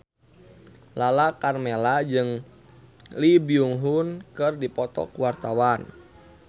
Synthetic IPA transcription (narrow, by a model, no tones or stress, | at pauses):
lalakarmɛlad͡ʒɨŋ | libiuŋɦunkɨrdipɔt̪ɔ̰kuwart̪awan